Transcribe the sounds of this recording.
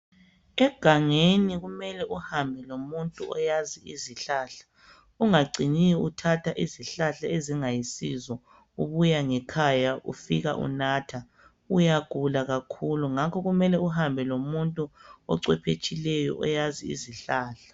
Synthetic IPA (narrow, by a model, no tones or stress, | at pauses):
ɛɡ̥ʱaŋeniɣumɛlɛʔuhambʱɛlomuntʼuɔ̰jaziiziɬaːɬḁ | uŋaɡ͡ǀiniutʰatʰaʔiziɬaɬaeziŋajisizɔ | uβujaŋɛkʰajaʔṵfiɣa̰ʔṵnatʰa | ujaɡ̥ʱulaɣakʰuluŋakʰɔɣumɛlɛuhambʱɛlomuntʼuɔ̰ǀɛpʰet͡ʃʼilɛjɔ̰ʔɔjaziiziɬaːɬḁ